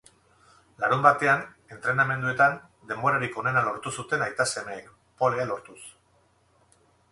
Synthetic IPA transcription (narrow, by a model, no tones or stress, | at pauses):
laɾumbat̪e̞an | e̞nt̪ɾe̞namẽ̞nd̪ue̞t̪an | d̪e̞mboɾaɾiko̞ne̞nalo̞ɾt̪usut̪e̞najt̪asemejn | polalo̞ɾt̪us